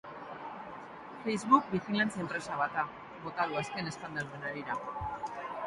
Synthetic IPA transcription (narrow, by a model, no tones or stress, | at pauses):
fe̞jzβuk̚bixilant͡sempɾe̞saβat̪a | βo̞t̪aðuaske̞ne̞st̪and̪aɾðenaɾiɾa